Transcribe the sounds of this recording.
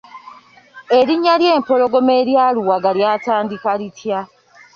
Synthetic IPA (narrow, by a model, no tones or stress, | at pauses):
eɾiɲaljeːmpo̞lo̞ɡo̞meːɾjaːluwaɡaljaːtaːndikalitʰja